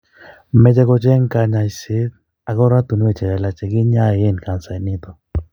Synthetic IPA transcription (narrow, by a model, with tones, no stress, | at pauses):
mɛ˨d͡ʒɛ˦kɔ˨t͡ʃɛ˦ŋka˨ɲa˨i˨sɪ˦t̚ | a˨kɔ˦ɾa˦t̪u˨n˦ɛ˦˨t͡ʃɛ˨ɾa˨la˨t͡ʃɛ˨ɡɪ˦ɲa˦˨e˦nka˨nsa˨nɪ˦t̪ɔ˨